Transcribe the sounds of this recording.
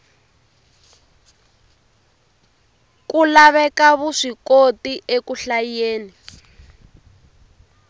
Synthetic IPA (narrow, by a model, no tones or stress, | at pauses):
kulaβɛkaβuʂikotiʔekuɬajeːni